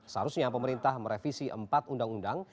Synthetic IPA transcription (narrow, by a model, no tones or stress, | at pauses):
səɦa̰ɾʊsɲapəməɾint̪ahməɾefisiʔəmpat̪undaŋundaŋ